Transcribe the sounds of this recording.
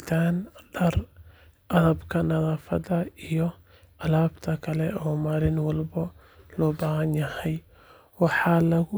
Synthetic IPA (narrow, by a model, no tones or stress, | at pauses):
t̪ʰaːnɖɐr | ʔɐðɐbkʰɐnɐðaːfɐðɐijɔ | ʔɐlaːbt̪ʰɐkʰɐlɛɔːmaːlɪnwɑlbɔ | lɔːbaːhɐnjɐhɛj | wɑħɑːlɐɣʊ